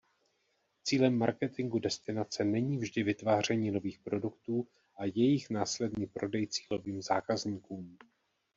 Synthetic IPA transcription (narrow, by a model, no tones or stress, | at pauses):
t͡siːlɛmːa̰ɾkɛt̪ɪŋɡudɛst̪ɪnat͡sɛnɛɲiːvʒdɪvɪt̪vaːr̝ɛɲiːno̞viːxpɾo̞dukt̪uː | ʔajɛjɪxnaːslɛdniːpɾo̞dɛjt͡si̥ːlo̞viːmzaːkazɲiːkuːm